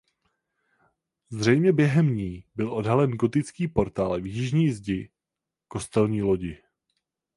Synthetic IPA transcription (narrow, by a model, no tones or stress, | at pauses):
zr̝ɛjmɲɛbjɛɦɛmɲiːbɪlʔo̞dɦalɛnɡo̞t̪ɪt͡skiːpo̞ɾt̪aːlvjɪʒɲiːzɟɪ | ko̞st̪ɛlɲiːlo̞ɟɪ